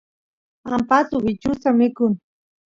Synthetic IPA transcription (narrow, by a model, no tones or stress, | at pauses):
ampasʊbɪt͡ʃʊsamɪkʊn